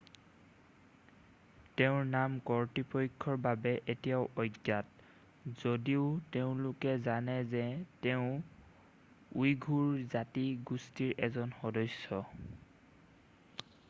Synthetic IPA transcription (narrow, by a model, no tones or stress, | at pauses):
teʊ̃ɹnamkɔɹtipɔkʰːɔɹbabɛʔetijaʊʔɔjɡːat | z̥odiʊteʊ̃lʊkɛzanɛzɛteʊ̃ | ujɡʱuɹzatiɡustiɹɛzɔnxɔdɔsːɔ